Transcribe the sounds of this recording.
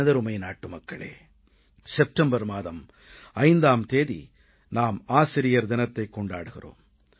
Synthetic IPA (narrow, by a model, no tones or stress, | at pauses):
ɐðɐɾʊmɐɪnaːʈːɯmɐkːɐɭḛː | sɛp̚ʈɐmbɐɾmaːðɐm | ɐɪnd̪aːmt̪eːðḭ | naːmaːsɪɾɪjɐɾd̪ɪnɐt̪ːɐɪkːɔɳɖaːɽɯɣɪ̰ro̰ːm